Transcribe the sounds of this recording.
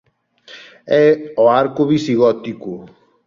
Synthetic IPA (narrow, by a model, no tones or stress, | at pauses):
ɛɔaɾkuβisiɣɔt̪iku